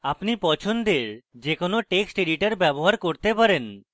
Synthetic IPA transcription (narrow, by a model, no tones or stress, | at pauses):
apnipɔt͡ɕʰond̪eɾd͡ʑekonoʈeksʈeɖiʈaɾbɛboɦaɾkoɾt̪epaɾen